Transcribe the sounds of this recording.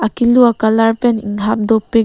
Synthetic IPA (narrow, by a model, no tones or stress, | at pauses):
akiluakalaɾpenḭŋʰap̚dɔpːe